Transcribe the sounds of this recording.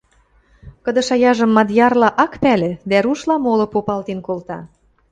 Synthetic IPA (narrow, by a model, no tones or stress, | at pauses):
kɤ̆d̪ɤ̆ʃɑjɑʒə̆mːɑd̪jɑrlɑʔɑkpælĕd̪æɾuʃlɑmolŏpopɑlt̪inkolt̪ɑ̰